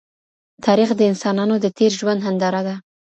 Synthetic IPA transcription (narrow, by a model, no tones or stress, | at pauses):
t̪ʰɑɾixd̪əɪnsɑnɑnod̪ət̪eɾʒwand̪hand̪ɑɾad̪a